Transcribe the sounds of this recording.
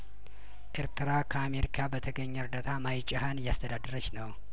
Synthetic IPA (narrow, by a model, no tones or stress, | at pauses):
ʔeɾt̪ʰɨɾakʰəame̞ɾikʰabət̪ʰəɡəɲːɛɨɾd̪at̪ʰamajt͡ʃʼahanjast̪ʰəd̪ad̪əɾət͡ʃːnəw